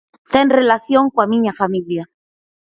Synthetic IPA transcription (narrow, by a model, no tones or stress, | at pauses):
t̪enrelaθjoŋkwamĩɲafamilja